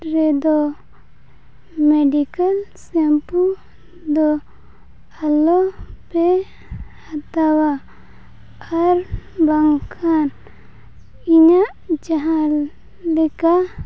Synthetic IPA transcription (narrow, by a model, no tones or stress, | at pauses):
ɾed̪ɔ | meɖikəlsempu | d̪ɔ | alope | hat̪awa | aɾbaŋkʰan | iɲa | d͡ʒaɦã | leka